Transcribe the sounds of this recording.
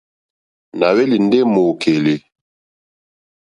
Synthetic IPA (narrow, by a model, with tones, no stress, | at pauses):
na˨we˦li˨n̩˦de˦mo˨kʰe˨le˨